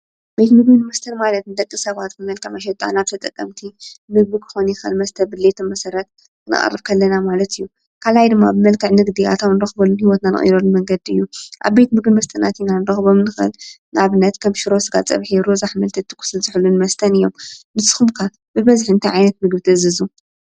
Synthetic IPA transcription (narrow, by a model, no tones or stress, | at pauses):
bejt̪mɨɡbinɨmɐst̪ʰɐnmalɐt̪nɨd̪ɐkʼːisɐβat̪̚bɨmɐlkʰɐʕmɐʃ̬ɛt̪ʼa̰naβt̪ʰɐt̪ʼɐkʼːɐmt̪ʰimɨɡ̚bɨkʰɨ̥xo̞nijɪxɨlmɐst̪ʰɐbɨlːet̪ʰɐmɐsɐɾɐt̪̚ | kʰɨnɨ̰χʼɐ̰rːɨβkʰɐlːɐnamalɐt̪ɨjːu | kʰalajd̪ɨmːabɨmɐlkʰɐʕnɨɡd̪ia̰t̪ʰomnɨɾɐxbolːunhiwɔt̪nanɨ̰χʼḭɾolːumɐŋɡɐd̪iɨjːuʔa̰βbe̞t̪mɨɡbimɐst̪ʰʼɐnat̪ʰinanɨɾɐxbomnɨxɨ̰l | nʔaβɨnːɐt̪kʰɐmʃɪɾosɨɡat͡sʼɐ̰βħiɾozaħmɐlt̪ʰɐt̪ʰːɨ̥kʰu̥sɨlzɨħulːunmɐst̪ʰɐnɨjːo̞mmɨsɨxumkʰa | bɨβɐzħɨnt̪ʰajʕajnɐt̪̚mɨɡ̚bɨt̪ʰɐzɨzu